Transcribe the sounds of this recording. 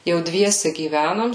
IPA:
jɛʊ ˈdʲʋʲiɛsʲɛ ɡʲiːˈʋʲænoːm

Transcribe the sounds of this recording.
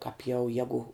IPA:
kɑːp jɛʊ ˈjæːɡʊ

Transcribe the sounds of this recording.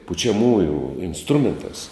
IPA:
pʊt͡ʃʲɛˈmuːjuː ɪnsˈtrʊmʲɛnˌtɑːs

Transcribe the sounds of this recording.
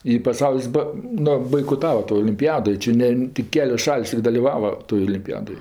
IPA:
ɪ pɐˈsɐʊlʲɪs ˈbɐ ˈnʊ bɐɪkoːˈtɑːʋɐ toː oːlʲɪmʲpʲɪˈjæːdoː ˈt͡ʃʲɪ nʲɛ tʲɪk ˈkʲæːlʲoːs ˈʃɐlʲsʲ ɪ dɐlʲɪˈʋɑːʋɐ toːj oːlʲɪmʲpʲɪˈjæːdoːj

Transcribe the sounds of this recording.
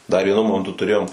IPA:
dɐr ˈʋʲiɛnʊ ˈmoːmʲɛntʊ tʊˈrʲeːjoːm

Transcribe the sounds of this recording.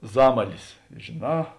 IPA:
ˈzɑːmɐlʲɪs ʒʲeːˈnɑː

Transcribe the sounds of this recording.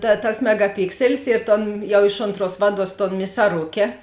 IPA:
tɐ tɐs mʲɛɡɐˈpʲɪksʲɛlʲɪs ɪr ˈtoːn ˈjɛʊ ˈɪʃ oːnˌtruɔs ˈʋɑːˌduɔs toːn mʲɪsɐˈrʊkʲɛ

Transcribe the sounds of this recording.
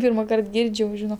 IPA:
ˈpʲiːrmɐˌkɐrt ˈɡʲɪrʲt͡ʃʲ jɛʊ ˈʒʲɪnoː

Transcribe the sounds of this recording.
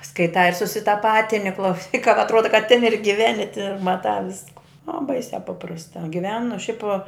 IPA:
skɐɪˈtɑː ɪr sʊsʲɪtɐˈpɑːtʲɪnʲɪ klˠɐʊˈsʲiːk kɐ ɐtˈruɔdɐ kɐ tʲɪn ɪr ɡʲɪˈʋʲæːnʲɪ tʲɪ ɪr mɐˈtɑː ˈʋʲɪskʊ oː ˈbɐɪsʲæː ˈpɑːprɐstɑː ɡʲɪˈʋʲæːnʊ ʃʲɛɪp

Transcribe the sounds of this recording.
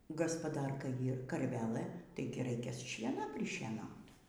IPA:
ɡɐspɐˈdɐrkɐ ˈiːr kɐrʲˈʋʲæːlˠɘ ˈtɐɪɡʲɪ ˈrɐɪkʲɛ ˈʃʲiɛnɐ pʲrʲɪʃʲiɛˈnɐʊt

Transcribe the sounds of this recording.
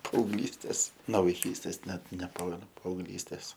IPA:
pɐɐʊɡˈlʲiːsʲtʲeːs noː ʋɐɪˈkʲiːsʲtʲeːs ˈnʲɛt nʲɛˈpɑːmʲɛnʊ pɐɐʊɡˈlʲiːsʲtʲeːs

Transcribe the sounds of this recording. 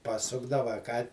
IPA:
pɐˈsʊɡdɐʋɐ ɐ ˈkɑː

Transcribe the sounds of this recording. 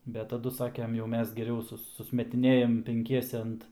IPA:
ˈbʲɛt tɐˈdʊ ˈsɑːkʲɛm jɛʊ ˈmʲɛs ɡʲɛˈrʲɛʊ ˈsʊs sʊsʲmʲɛtʲɪˈnʲeːjɛm pʲɛŋʲˈkʲiɛsʲɛ ˈɐnt

